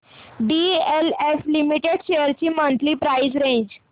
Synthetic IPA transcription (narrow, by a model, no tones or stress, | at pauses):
ɖieleflimiʈeɖɕejəɾt͡ɕiːmənt̪liːpɾajd͡zɾẽɲd͡ʑ